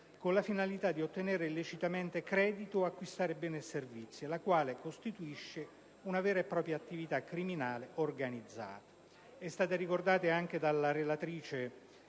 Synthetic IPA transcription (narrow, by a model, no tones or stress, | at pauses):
konlafinalit̪ad̪ːiot̪ːenɛːɾelːet͡ʃit̪ament̪ekɾɛːd̪it̪oakːwist̪aːɾebɛːneservit̪sːjielakwaːlekost̪it̪uiʃːe | unavɛːɾaepːɾɔːpɾjaːt̪ːivit̪akːɾiminaːleorɡanid̪zːa̰ːt̪ḁ | ɛst̪aːt̪aɾikord̪aːt̪eaŋk̟ed̪alːaɾelat̪ɾiːt͡ʃe